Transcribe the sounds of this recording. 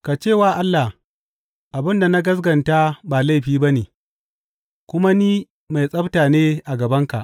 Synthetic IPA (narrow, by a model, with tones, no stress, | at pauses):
ka˨t͡ʃeː˦˨waː˨ʔa˦lːa˨h | ʔa˨bɪ˦nda˨na˦ɡɐ˦s̬ɡɐ˨nta˦baː˨la˦jɸiː˦ba˦neː˨ | kʷʊ˦ma˦niː˦ | ma˨jsʼɐ˦btaː˨neː˦ʔa˨ɡɐ˨bɐ˦ŋka̰˨ʔ